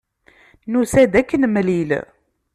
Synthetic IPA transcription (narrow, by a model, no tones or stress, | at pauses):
nusæd̪ækːənmlil